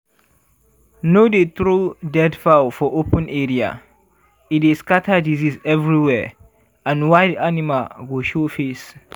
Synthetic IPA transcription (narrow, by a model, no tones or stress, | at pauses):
nodet̪ɹudɛdfafɔʔopə̃nʔɛɹia̰ | ideskatʰadizizɛvɹiwɛ | ãnwaɪdanimalɡoʃofes